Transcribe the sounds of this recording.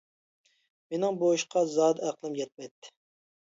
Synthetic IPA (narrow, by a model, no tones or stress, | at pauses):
menɪŋbojuʃqʰɑzɑːd̪æqlˠɨmjɛt̪̚mɛjt̪ʰːɪ̥